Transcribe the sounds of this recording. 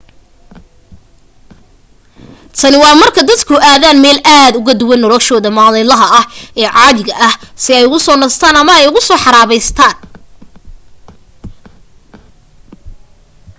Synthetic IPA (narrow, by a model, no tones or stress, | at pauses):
t̪ʰɐnɪwɑːmɐrkʰɐd̪ɐd̪kʰʊʔaːðaːnmɛːlʔaːd̪ʊɣɐd̪ʊwɐnːɔlɔʃɔːðɐmaːlɛlɐɦɐɐhʔɛːʕɑːðɪɣɐʔɐhsɪɛjʊɣʊsɔːnɐst̪ʰaːnɐmɐɛjʊɣʊsɔːħɑɾaːβɛjst̪ʰaːn